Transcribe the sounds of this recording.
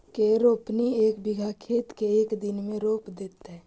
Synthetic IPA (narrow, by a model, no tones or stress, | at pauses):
keɾoːpnieːkbɪɡʱakʰeːt̪keeːkd̪ɪnmẽɾoːpd̪eːt̪ɦɛː